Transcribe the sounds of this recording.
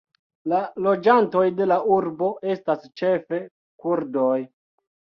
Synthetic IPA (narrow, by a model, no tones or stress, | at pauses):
lalo̞d͡ʒanto̞jde̞laʔuɾbo̞ʔe̞stast͡ʃe̞fe̞ | kuɾdo̞j